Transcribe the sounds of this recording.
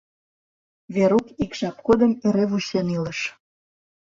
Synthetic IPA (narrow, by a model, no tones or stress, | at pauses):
βeɾukikʃɑp̚kod̪əmeɾeβuɕeniləʃ